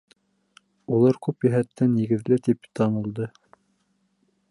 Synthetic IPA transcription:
ulˠɑɾkʉpjæɦæt̪ːænjɘ̆ɡɘ̆ðlɘt̪ipt̪ɑnulˠd̪ɤ

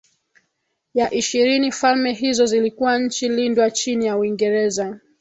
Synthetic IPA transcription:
jaʔiʃiɾinifalmɛɦizɔzilikuwaɲ̩t͡ʃilindwat͡ʃinijauiŋɡɛɾɛza

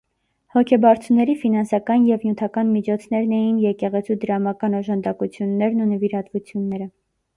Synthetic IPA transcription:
hɔkʰɛbɑɾt͡sʰunːɛɾifinɑnsɑkɑnjɛvnjut̪ʰɑkɑnmit͡ʃʰɔt͡sʰn̪ɛɾnɛjinjɛkɛʁɛt͡sʰud̪əɾɑmɑkɑnɔʒɑnd̪ɑkut͡sʰjunːɛɾnunəviɾɑt̪vut͡sʰjunːɛɾə

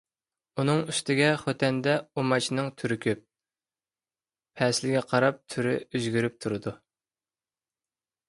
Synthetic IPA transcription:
unɨŋyst̪ɪɡʲɛχøt̪ʰɛnd̪ɛumɑt͡ʃʰinɨŋt̪ʰyɾɪkʲʰøp̚ | ɛslɪɡʲɛqʰɑɾɑp̚t̪ʰyɾɪyzɡʲyɾyp̚t̪ʰuɾɨd̪u

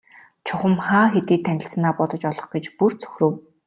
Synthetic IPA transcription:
t͡ɕʰʊχə̆mχaːxet̪iːt̪ʰːænʲɪ̆ɬs̆naːpɔt̪ɞ̆t͡ɕɔɮɞ̆χɡet͡ɕpurt͡sʰɵ̥xʲrɵ̆w

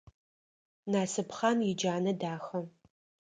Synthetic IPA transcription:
naːsɨpχanjɪd͡ʒaːnɐdaːxɐ

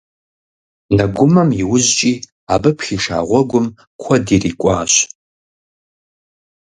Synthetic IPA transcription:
nɐɡʷʊmɐmjɪwʊzt͡ʃʼiː | aːbɨpxiːʂa̰ːʁʷɔɡʷʊm | kʷʰɔdiriːkʷʼɑːɕ

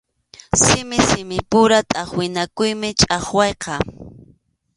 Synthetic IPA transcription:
sɪmɪsɪmɪpʊɾat̪ʼaχwɪnakʊjmɪt͡ʃʼɑχwɑjqɑ

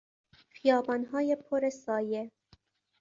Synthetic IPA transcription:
xijɒːbɒːnɦɒːjepʰoɾesɒːje

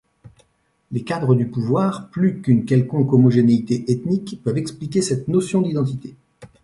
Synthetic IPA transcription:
lekad̪ʁəd̪ypuvwaʁplykynkʲɛlkɔ̃kɔmɔʒeneit̪eʔet̪nikpœvɛksplik̬ʲesɛt̪nosjɔ̃d̪id̪ɑ̃t̪it̪e

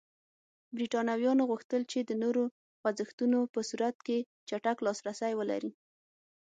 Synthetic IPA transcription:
bɾiʈɑnawjɑnoɣuxt̪əlt͡ʃed̪ənoɾo | wazəxt̪unopəsuɾat̪̚ke | t͡ʃaʈaklɑsɾasajwəla̰ɾi

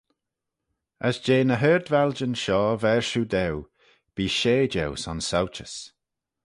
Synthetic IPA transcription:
əsd͡ʒeːnəɦɛːɹd̪vɛld͡ʒənʃɔːvɛɹʃuːd̪ɛw | b̥iːʃeːd͡ʒɛwsɔnsawt͡ʃəs

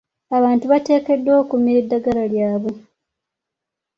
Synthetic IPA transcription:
aβaːntuβate̞ːke̞dːoːkumːiɾidːaɡaɾaljaːβo

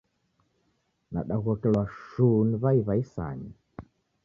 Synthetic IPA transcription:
na̰ɗaɣɔkɛlwaʃuniβaiβaisa̰ɲi

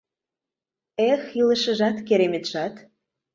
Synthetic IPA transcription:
exilə̆ʃə̆ʒɑt̪keɾemĕt̪ʃɑt̪

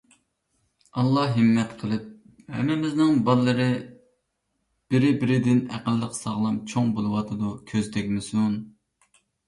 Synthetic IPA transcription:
ɑlˠːɑhɦɨmːɛt̪qʰəlˠɨp̚ | hɛ̰mɪmɪznɪŋbɑlˠːɨɾɨ | b̥ɪɾɪbɪɾɪd̪ɪnæ̰qəlˠːəqsɑʁlˠɑmt͡ʃʰoŋbolˠɨwɑt̪ʰɨd̪ukʲʰøzt̪ʰɛkʲmɪsun

